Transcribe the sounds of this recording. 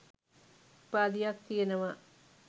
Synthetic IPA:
paːd̪ijak̚t̪ijenəʋa

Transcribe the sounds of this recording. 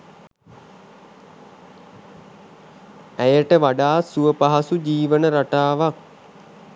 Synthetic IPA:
æjəʈəʋaɖaːsuəpaɦasud͡ʒiːʋənəɾaʈaːʋak̚

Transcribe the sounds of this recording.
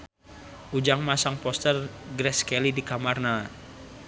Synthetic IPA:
ʔud͡ʒaŋmasaŋpɔst̪ərɡɾɛskɛlidikamarna

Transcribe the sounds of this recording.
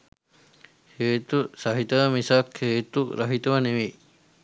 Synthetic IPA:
heːt̪usɐɦit̪ɐmisakheːt̪uɾɐɦit̪ɐʋɐneʋi

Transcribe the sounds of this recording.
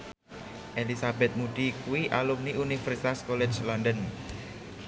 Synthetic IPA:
ʔelisabɛt̪̚muɖ̥ikuwiʔalumniunifəɾsit̪askoled͡ʒlɔndən

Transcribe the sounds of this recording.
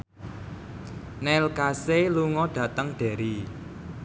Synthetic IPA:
nɛlkaseluŋɔɖ̥ä̤t̪əŋɖ̥ɛ̤ɾi

